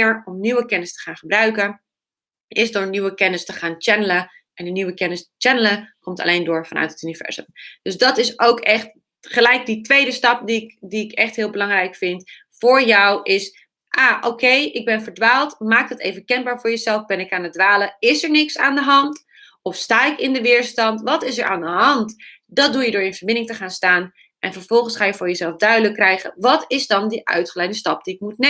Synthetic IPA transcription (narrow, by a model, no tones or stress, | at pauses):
ɹɔmnywəkɛnəstə̥χaːnχəbrœɥkən | ɪsdʊːɹnywəkɛnɪstəχaːnt͡ʃɛnələ | ʔɛndəniwəkɛnəst͡ʃɛnələkɔmtɑ̰lejndʊːɹvɑnʔœ̰ɥtətynivɛ̰ɹzə̰md̥ɵzdɑtɪsʔowkɛχt | χəlɛjk̚ditʋejdəstɑp̚diɪkdiɪkɛχtɦɪːlˠbəlɑŋrɛjkfɪnt | fʊːɹjɔwʔɪs | ʔaːʔoːkʰejʔɪɡ̚bɛnvəɹdʋaːlˠtmaːk̚dɑtejvəkɛnbaːɹvʊːɹjəzɛlˠfbɛnɪkaːnət̚dʋaːləɪsəɹnɪksaːndəɦɑnt | ɔfstaːɪkɪndəʋɪːɹstɑntʋɑtɪsəɹʔa̰ːndəɦɑnt | dɑt̚dujədʊːɹɪnvəɹbɪndɪŋtəχaːnstaːn | ʔɛnfəɹv̥ɔlˠχənsχaːjəfʊːɹjəzɛlˠfdœɥdələkːrɛjχə̰nʋɑtɪzdɑndiʔœ̰ɥtχəlɛjndəstɑp̚d̥iɪk̚mut̚ne